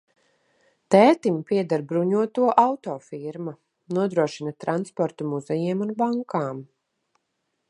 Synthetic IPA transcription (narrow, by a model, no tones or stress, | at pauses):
t̪ɛːt̪impiɛd̪aɾbɾuɲuɔt̪uɔʔawt̪ɔːfiɾma | nuɔd̪ɾuɔʃinat̪ɾanspɔɾt̪umuzɛjɛɛmunbaŋkaːm